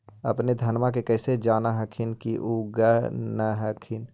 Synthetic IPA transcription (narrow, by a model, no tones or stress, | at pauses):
ə̰pned̪ʱɐnmãk̬ekɛːsed͡ʒaːnaɦəkʰinkiʔuɡənəɦəkʰɪn